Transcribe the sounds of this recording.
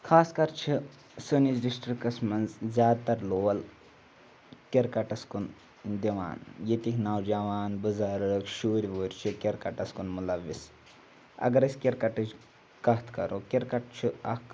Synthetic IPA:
kʰaːskɐɾt͡ʃʰi | sunizɖisʈɾikɐsmɐnzzʲaːd̪̚t̪ɐɾloːɐl | keɾkɐʈɐskun | d̪iʋa̰ːnjet̪iknɐwd͡ʒɐʋaːnbɨzaːɾɨkʃuːɾʲʋuːɾʲt͡ʃʰikʲeɾkɐʈɐskunmulɐʋːis | ɐ̰ɡɐɾɐsʲkʲeɾkɐʈɐd͡ʒ | kɐɦt̪ʰkɐɾoːkeɾkɐʈ̚t͡ʃʰiɐk

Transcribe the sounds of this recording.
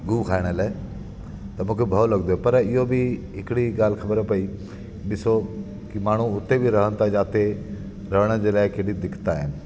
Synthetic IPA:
ɡuːkʰaːɪɽ̃əlaː | t̪ɐmũːkʰebʱɐolɐɡd̪oːɦɛpɐɾɪɦobʱiɦɪkɪɽiɡaːlkʰɐbəɾpɐi | ɓɪso | kimaːɳ̤̃uʊt̪ːebʱiɾɐɦə̃nt̪ʰad͡ʒaːt̪e | ɾɐɦɽ̃əd͡ʑeːlaːɪkeɽid̪ɪkʰt̪aɦɪnɪ̆

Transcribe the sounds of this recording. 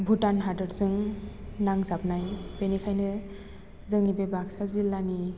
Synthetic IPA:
bʱutanɦadɯɾzɯŋnaŋsapnajbenikʰajnɯ | zɯŋnibebaksazilːani

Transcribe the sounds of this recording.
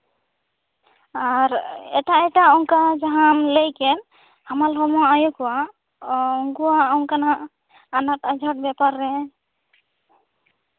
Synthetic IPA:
aɾɛ̰taʔɛtaɔŋkad͡ʒaɦamlejkɛn | hamalɦɔmɔaajukɔwa | ŋɡuwaɔŋkanaʔː | natad͡ʒʱat̚bɛpaɾːɛ

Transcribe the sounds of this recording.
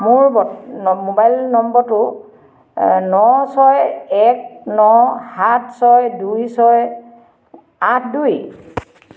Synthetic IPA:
mʊɹbɔmobajlnɔmbɔtʊ | nɔsɔjɛk̚nɔhat̚ʰsɔjdujsɔj | atʰduj

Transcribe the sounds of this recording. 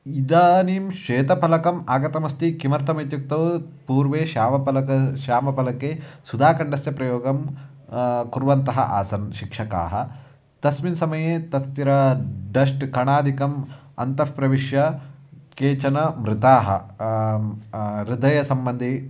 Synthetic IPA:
id̪aːniːmʃeːt̪ɐpɐlɐkɐmaːɡɐt̪ɐmɐst̪ikimɐɾt̪ʰɐmɐjt̪juk̚t̪ɐʋpuːɾʋeːʃaːmɐpɐlɐkɐʃaːmɐpɐlɐkesud̪aːkɐɳɖɐsjɐpɾɐjoːɡɐm | kuɾʋɐnt̪ɐɦɐ̰ʔa̰ːsɐnʃikʂɐka̰ːɦɐ | t̪ɐsminsɐmɐjeːt̪ɐst̪iɾɐɖɐʂʈkɐɳaːd̪ʱikɐm | ɐ̰nt̪ɐppɾɐʋiʃjɐkeːt͡ʃɐnɐmɾɪt̪aːɦɐ̰ | ɾid̪ɐjɐsɐmbɐnd̪ʱi

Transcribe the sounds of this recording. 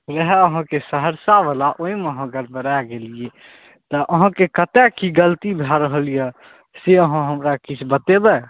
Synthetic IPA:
ɾəɦɛəɦãkesəɦəɾsabəlaʔoimeɦə̃ɡəɾbəɾaɡelije | t̪əʔəɦãkekət̪ɛkiɡəlt̪ibʱaɾəɦəlijə | seəɦãɦəmɾakit͡ʃʰbət̪ebɛ

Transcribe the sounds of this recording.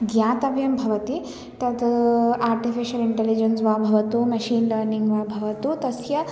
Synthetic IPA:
ɡjaːt̪ɐʋjɐmbʱɐʋɐt̪i | t̪ɐt̪aːɾʈifiʃɐliɳʈelid͡ʒɐnsʋaːbʱɐʋɐt̪umɐʃiːnlɐːɾniŋɡʋaːbʱɐʋɐt̪ut̪ɐsjɐ

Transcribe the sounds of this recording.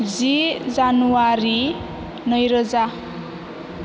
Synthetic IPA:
d͡zid͡zanuwaɾi | nʌjɾʌd͡za

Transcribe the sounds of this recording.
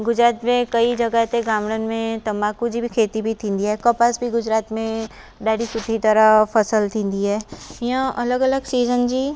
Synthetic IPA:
ɡʊd͡ʒɾaːt̪mẽkɐid͡ʒɐɡat̪eɡãːmɽənmẽt̪ɐmaːkud͡ʒibʱikʰeːt̪ibʱit̪ʰĩːnd̪iɦɛːkəpasbʱiɡʊd͡ʒɾaːt̪mẽ | ɖaːɽisʊd̪ʱit̪əɾapʰɐsəlt̪ʰĩːnd̪iɦɛːjãʔɐləɡələɡsiːzənd͡ʒiː

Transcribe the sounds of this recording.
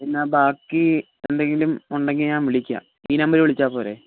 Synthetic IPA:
pinːaːbaːkːi | end̪e̞ŋɡilumuɳɖeŋɡilɲaːnʋiɭikʲːa̰ | iːnɐmbɐɾiʋeɭit͡ɕːaːpoːɾḛ

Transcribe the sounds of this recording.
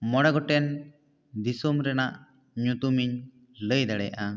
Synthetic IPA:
mɔɽɛɡɔʈɛn | d̪isɔmɾɛnaʔ | ɲut̪umiɲ | ləjd̪aɽɛjaʔa

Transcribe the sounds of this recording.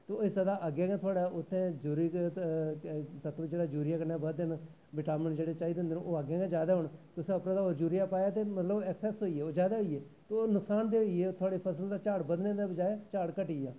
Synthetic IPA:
t̪oesəd̪aːʔəɡjẽːɡẽːt̪ʰʊaːɽaːʊt̪ʰːẽːd͡ʒʊːɾiː | t̪ət̪ʰʋd͡ʒeːɽaːd͡ʒuːɾɪjaːkənãːbəd̪d̪en | ʋɪʈaːmənd͡ʒeːɽet͡ʃaːid̪ɪ̃nd̪enũːoːaɡãːɡẽd͡ʒjaːd̪aːɦʊɳt̪ʊsĩəpnãːd̪aːoːɾd͡ʒuːɾɪjaːpaːjaːt̪eːmət̪ləbɛksɛːsɦoːiːeːoːd͡ʒaːd̪aːɦoieː | t̪ooːnʊksaːnd̪eːɦoieːt̪ʰʊaːɽiːpʰəsəld̪aːt͡ʃaːɽbəd̪nẽːd̪aːbəd͡ʒaːjaːt͡ʃaːɽkəʈiːjaː

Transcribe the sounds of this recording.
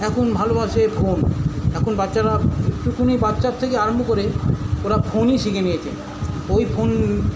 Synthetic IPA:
ɛkʰunbʱalobaʃefʰonɛkʰunbatːɕaɾaʈukʰunibat̪ːʃaɾ̚t̪ʰekeaɾombukoɾeoɾafʰoniʃikenijet͡ɕʰḛ | ojpʰon

